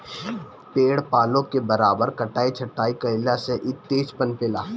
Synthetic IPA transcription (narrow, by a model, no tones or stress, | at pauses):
peːɽpaːlõkebɐɾaːbəɾkɐʈaːit͡ʃʰɐʈːaːikɐɪlaseʔɪt̪ːeːt͡ʃpənpɪlaː